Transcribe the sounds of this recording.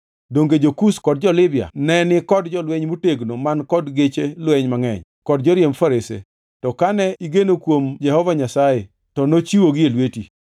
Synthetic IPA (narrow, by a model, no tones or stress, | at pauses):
doŋɡed͡ʒokuskɔd̚d͡ʒɔlɪbja̰nɛnɪkɔdd͡ʒɔlwɛɲmuteɡnomankɔdɡet͡ʃelwɛɲmaŋɛ̰ɲ | kɔdd͡ʒɔɾjemfaɾesḛ | tɔkanɛiɡenokwomd͡ʒɛhɔvaɲasaje | tɔnot͡ʃiwoɡɪelweti